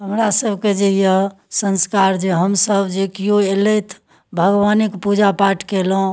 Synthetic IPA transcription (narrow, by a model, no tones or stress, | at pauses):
ɦəmɾasəbʱked͡ʒejə | sə̃nskaɾd͡ʒeɦəmsəbd͡ʒekijoelɛt̪ʰ | bʱəɡʋanikpud͡ʒapaʈʰkelõ